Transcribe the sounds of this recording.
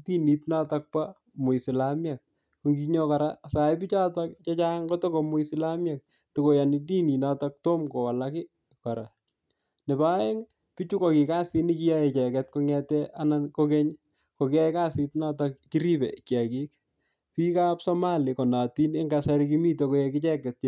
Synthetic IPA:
ti˦ni˨tna˦ta˦k̚pa˦ | mu˨i˨sɪ˨lamja˨k̚ | ku˦ŋɡi˦ɲo˦ka˨ɾa̰˦sa˨jp̬i˦t͡ʃa˦takt͡ʃa˦t͡ʃa˦ŋko˦to˦ko˨mʊ˦isɪ˦lamja˨k̚ | to˨ko˨ja˨niti˦ni˨na˦tak̚to˦mko˨wa˨lakɪ˦ | kɔ˨ɾa̰˨ | nɪ˨ba˦e˦ŋ | pi˦t͡ʃu˦ko˨ki˨ka˦si˦ni˦ki˦ja˦je˨t͡ʃɛ˨kɛt̚ko˦ŋɛtɛʔana˦nkoke˦ɲ | ko˨ki˦ja˦i˦ka˦si˦tna˦takki˦ɾi˦bɛ̰˨kja˨ki˦k̚ | pi˦ka˦psɔ˦ma˦li˨ko˨na˨ti˦ne˦ŋɡasa˦ɾiki˦mi˦toko˨je˨kɪ˦t͡ʃɛ˦kɛ˨t̚t͡ʃ

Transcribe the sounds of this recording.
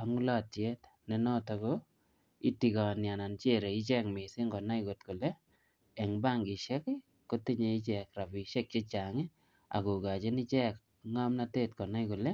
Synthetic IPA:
a˨ŋu˦la˦˨te˦t | ne˨nɔ˦tɔ˨ɡo˦ | i˦ti˨kɔ˨nja˨na˨nt͡ʃe˦˨ɾe˨i˦t͡ʃɛ˦kmɪ˨sɪ˦ŋɡɔ˨na˦iɡo˨tku˨le˦ | ɛ˨ŋba˦˨ŋɡɪ˨ʃɛ˦kɪ˦ | ko˦ti˦ɲe˦i˦t͡ʃɛ˨kɾa˨bi˨ʃe˦k̚t͡ʃe˦t͡ʃa˨ŋi˦ | a̰˨ɡo˨ɡa˨t͡ʃe˦nɪ˦t͡ʃɛ˦k | ŋa˦mna˦te˦tkɔ˨na˦jko˨le˦

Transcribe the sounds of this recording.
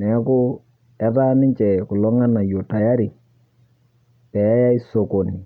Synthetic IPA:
nɛ˨˦kʊ˦ | ɛ˦ta˦nɪ˦ɲt͡ʃɛ˨kʊ˨lɔ˦ŋa˦na˨jo˨ta˨ja˦ɾi˨ | tɛ˨a˦ja˦i˦so˨ko˨ni˨

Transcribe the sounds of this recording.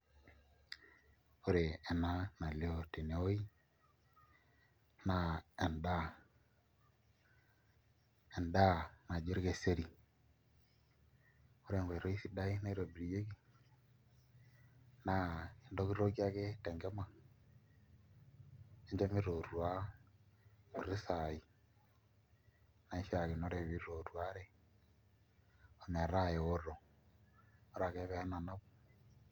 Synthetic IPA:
o˦ɾeː˨na˦na˨le˦o˨te˨ne˨o˦i˦ | na˨ɛ˨nda˦ | ɛ˨nda˦na˨d͡ʒo˦ɾɡe˨se˦ɾi˨ | o˦ɾe˨ŋɡe˨ɾo˦i˦si˦da˦i˦na˦i˦ɾo˨bɾi˨je˦ɡi˦ | na˨i˨ndo˦ki˦ɾo˦kja˦ke˦tɛ˨ŋɡɛ˦ma˨ | e˦ɲd͡ʒe˦mi˦ɾo˨ɾu˨a˦ | mu˨ɾi˦sa˨i˨ | na˨i˦ʃa˨ki˨no˦ɾe˨βi˦ɾo˨ɾua˦ɾɛ˦ | o˨ɲa˨ɾa˦˨jɛ˨o˦ɾo˨ | o˦ɾa˨ke˦βɛ˨ha˦na˨na˦βo˨

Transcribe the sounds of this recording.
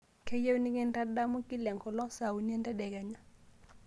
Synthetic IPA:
kʰɛ˦je˦wni˦kɛ˦nda˦da˦mɔ˦ki˦lɛ˨ŋkɔ˨lɔ˦sa˨u˨ni˦e˦ndɛ˦dɛ˨ɡɛ˨ɲa˦

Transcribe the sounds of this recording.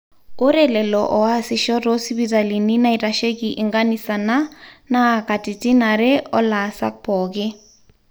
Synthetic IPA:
o˦ɾɛ˦lɛ˨lɔ˨ʔɔ˨a˦sɪ˨ʃɔ˦ɾɔ˦si˦bi˦ta˨li˨ni˦na˦i˨ɾa˨ʃe˦ki˨ʔi˨ŋɡa˦ni˦˨sa˨na˦na˦˨ka˨ti˨ti˦na˨ɾɛ˦ɔ˦la˨sa̰˦k̚pɔ˨kɪ˦

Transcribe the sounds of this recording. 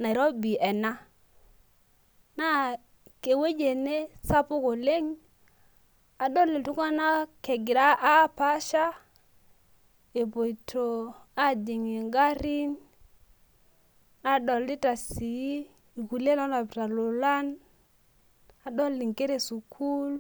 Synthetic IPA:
na˨i˨ɾɔ˦bi˨ɛ˨na˦ | na˦ | ke˨we˦d͡ʒe˨ne˦sa˦pu˦ko˨le˦ŋ | a˨ɗɔ˦li˨tu˦ŋa˦na˦ke˨ɡi˨ɾa˦ʔa˦˨pa˦ʃa˦ | e˨bo˨jtʰo˨ | a˦di˨ŋi˨ŋɡa˦ɾi˦n | a˨˦ɗɔ˨li˦ta˨si˨i˦ | i˨ku˨le˦lɔ˦na˨pta˨lu˨la˦n | a˨ɗɔ˦lːi˨ŋke˦ɾe˨su˨kʰu˦l

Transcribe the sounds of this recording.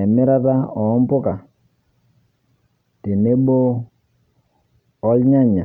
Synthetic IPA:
ɛ˨mɪ˦ɾa˦ta˦ɔ˨˦mpʊ˦ka˨ | te˨ne˦ɓo˦ | lɲa˦ɲa˨

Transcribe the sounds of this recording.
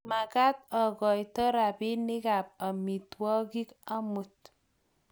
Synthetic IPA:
ma˨ɡa˦t̪̚ɔ˨ɡɔ˨jt̪ɔ˦ɾa˨bi˦nɪ˦ɡa˨p̚a˨mi˨twɔ˦ɡi˦ka˦mu˨t̪̚

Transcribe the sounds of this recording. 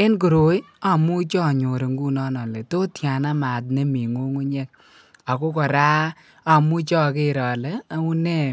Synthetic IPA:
ɪ˦nk̬o˨ɾo˨˦j | a˨mu˦t͡ʃɔ˦˨ɲo˨ɾe˨ŋɡu˦nɔ˦nɔ˨le˨to˦tja˨na˦ma˨t̬̚ne˦mi˨ŋo˦ŋo˦ɲe˦k̚ | a˨ko˦kɔ˨ɾaː˦ | a˨mu˦t͡ʃɔ˦ke˦ɾɔ˨lɛ˦a˨u˦ne˦˨

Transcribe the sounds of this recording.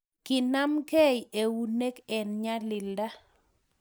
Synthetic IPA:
kɪ˨na˦mke˦je˨wu˨ne˦kɛ˨nɲa˦lɪ˨lda˦

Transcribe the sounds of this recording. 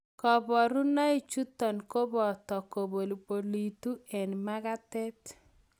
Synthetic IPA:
kɔ˨bɔ˨ɾu˦na˦i˦˨t͡ʃu˦tɔ˨nko˦bɔ˨tɔ˨ko˨bo˨lbo˨li˨tu˦ɛ˨nma˦ɡa˦tɛ˦t

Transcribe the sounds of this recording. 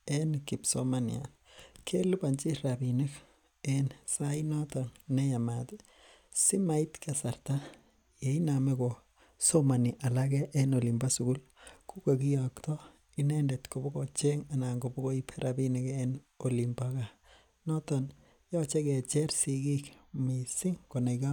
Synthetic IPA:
e˦nki˨psoma˨nḭa̰˨ | kʰe˦lu˦ba˨nt͡ʃi˦ɾabini˦k | ensa˦inɔ˦t̪a˨nːe˦ja˨ma˨t̪ | si˦ma˨it̪ka˨sa˨ɾt̪a | je˨ina˨me˦ko˨ | so˦ma˨niʔa˨laɡeʔːno˨li˨mba˦suɡu˦lku˦ka˨ki˦jakt̪o˦ | i˦nendetkobo˦ɡot͡ʃe˦ŋa˨na˨ŋɡo˨bo˦ɡo˦ipʰe˦ɾʔa˨binikenoli˨mbaka˨ | nɔtan | jɔ˦t͡ʃe˦ke˨t͡ʃe˦ɾsiɡi˦kmisi˦ŋkona˨ka

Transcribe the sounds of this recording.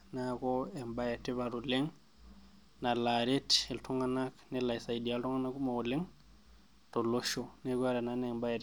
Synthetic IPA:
nakɔɛmba˦jete˦βaɾule˦ŋ | na˨laɾete˨ltʰɔŋɡanaknela˨isa˨idi˨altɔ˦ŋɡa˦na˦ku˦ma˨o˨le˦ŋ | to˨loʃonekwa˦ɾa˨nanemba˦je˨t

